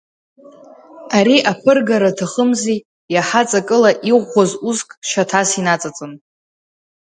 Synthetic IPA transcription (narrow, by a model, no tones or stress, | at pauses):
aɾiʔapʰɨrɡaɾatʰaχəmzi | jaħat͡sʼakʼɨlaʔiʁʷːazuzkʼʃatʰasinat͡sʼat͡sʼɨn